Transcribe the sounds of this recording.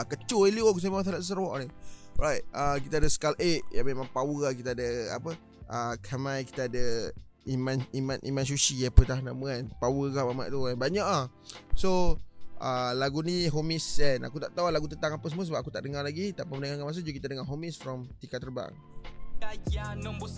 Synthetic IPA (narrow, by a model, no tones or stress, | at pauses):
akət͡ʃulilukus̬emat̬alaʔs̬əɾwɔʔni | ɔɾajʔ̚əkit̪aadəsə̥kalʔeʔ̚jamemãŋpawəakit̪aadəa̰pə | ʔəkʰamãjki̥t̪aadə | imãnimanʔḭmãns̬uʃiapət̪ahnaməɛnpawəkahmama̰ʔt̪uɛnbaɲaʔah | soʔəlaɡuniɦomisɛna̰kut̪a̰ʔt̪aulaɡut̪ənt̪aŋapəsəməsəbapakut̪aʔdəŋaɾlaɡit̪aʔpəmənəŋaŋamas̬ud͡ʒəkit̪adəŋaɦomisfɾɔmt̪ikaʔt̪ərba̰ŋ